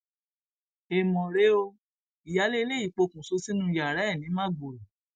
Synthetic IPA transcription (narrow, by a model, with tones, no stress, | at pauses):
e˨mɔ̃˨ɾe˨˦o˧ | i˨ja˨˦le˦i˧le˦i˦˨k͡po˧kũ˨so˧si˦nũ˦˧ja˨ɾɛ˨˦˨nĩ˨˦mã˦˨ɡ͡bo˨ɾɛ˨